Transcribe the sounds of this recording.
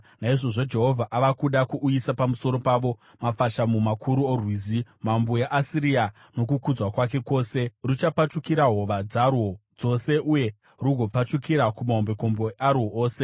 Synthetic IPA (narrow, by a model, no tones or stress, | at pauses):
naiʐo̞ʐo̞d͡ʒe̞ɦo̞vʱaʔaʋakuɗakuʔːisapamuso̞ɾo̞paʋo̞ | mafaʃamumakʰuɾuorwizimambojaʔasiɾia | no̞kukud͡zwakwak̬e̞ko̞ːse̞rut͡ʃapat͡ʃukiɾaɦo̞ʋad͡zarwo̞d͡zo̞se̞ʔuje̞ | ruɡʱo̞pat͡ʃukiɾakumaɦombe̞ko̞mbo̞arwooːse̞